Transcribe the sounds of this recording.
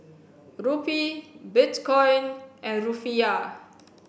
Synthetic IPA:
ɹupibitkɔ̃jnʔɛ̃nɹufia

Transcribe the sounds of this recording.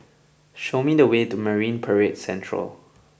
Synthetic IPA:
ʃomidəwetuməɹĩnpʰəɹet̚sɛ̃ntʰɹə̰l

